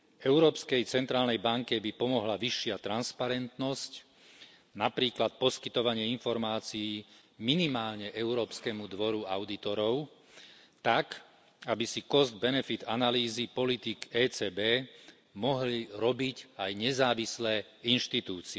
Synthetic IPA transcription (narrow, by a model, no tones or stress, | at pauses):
ɛʊɾɔːpskɛjt͡sɛnt̪ɾaːlnɛjbaŋkɛbipɔmɔɦlaʋiʃːɪat̪ɾanspaɾɛnt̪nɔsc | napɾiːklat̪̚pɔskit̪ɔʋaɲɪɛinfɔɾmaːt͡siː | minimaːlɲɛʔɛʊɾɔːpskɛmud̪ʋɔɾua̰ʊd̪it̪ɔɾɔʊ | t̪ak | abisikɔzd̪bɛnɛfit̪analiːzipɔlit̪ikɛːt͡sɛːbɛː | mɔɦliɾɔbicajɲɛzaːʋislɛː | inʃt̪it̪uːt͡siɛ